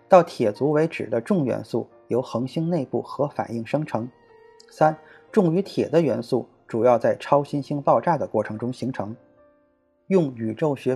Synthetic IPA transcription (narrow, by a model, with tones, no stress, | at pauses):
t̪ɑ˥˩ʊt̪ʰjɛ˨˩t͡su˧˥we˧˥ɪʈ͡ʂɻ̩˨˩d̪ə˦ʈ͡ʂʊ˥˩ŋɥɛ̰˧˥nsu˥˩ | jo˧˥ʊxɤ˧˥ŋɕi˥ŋne˥˧ɪpu˥˩xɤ˧˥fa̰˨˩ni˥˩ŋʂɤ˥ŋʈ͡ʂʰɤ˧˥ŋ | sa˥n | ʈ͡ʂʊ˥˩ŋy˧˥t̪ʰjɛ˨˩d̪ə˦ɥɛ˧˥nsu˥˩ | ʈ͡ʂu˨˩jɑ˥˧t͡sa˥˩ɪʈ͡ʂʰɑ˥ʊɕi˥nɕi˥ŋpɑ˥˧ʊʈ͡ʂa˥˩d̪ə˩kwɔ˥˩ʈ͡ʂʰɤ˧˥ŋʈ͡ʂʊ˥ŋɕi˧˥ŋʈ͡ʂʰɤ˧˥ŋ | jʊ˥˩ŋy˨˩ʈ͡ʂo˥˩ʊɕɥɛ˧˥